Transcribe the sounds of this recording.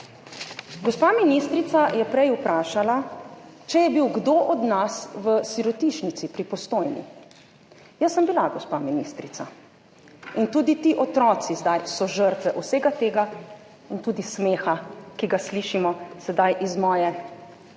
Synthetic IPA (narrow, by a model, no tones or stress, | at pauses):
ɡɔspaminist̪ɾit̪sajɛpɾɛjupɾaːʃala | t͡ʃɛjɛbiwɡd̪oːʔɔd̪nasʋəsiɾɔt̪iʃnit̪sipɾipɔst̪oːjnḭ | jəsːəmbilaɡɔspaminist̪ɾit̪a | int̪uːd̪it̪iʔɔt̪ɾɔːt̪sizd̪ajsɔʒəɾt̪ʋɛʔwseːɡat̪eːɡa | int̪uːd̪ismeːxakiɡasliʃimɔsɛd̪ajʔizmɔːjɛ